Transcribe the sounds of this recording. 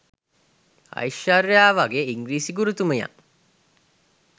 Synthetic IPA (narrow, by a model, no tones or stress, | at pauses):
a̰jʃarjaːʋaɡeːiŋɡɾiːsiɡuɾut̪uməja̰